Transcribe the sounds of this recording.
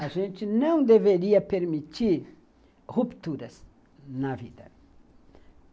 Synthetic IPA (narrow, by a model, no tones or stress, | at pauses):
ɐʒẽnt̪ɪnɐ̃w̃d̪eveɾiɐpeɾmit̪iɾ | hupt̪uɾɐs | nɐvid̪ɐ